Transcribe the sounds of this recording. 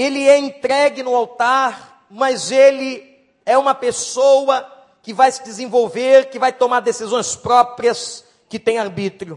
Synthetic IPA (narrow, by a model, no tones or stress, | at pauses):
elɪɛẽnt̪ɾɛɡɪnʊawt̪aɾ | mɐzelɪ | ɛũmɐpesowɐ | kɪvajsɪd̪ɪzẽvowveɾkɪvajt̪omaɾd̪esizõj̃spɾɔpɾiɐs | kɪt̪ẽj̃aɾbit̪ɾiʊ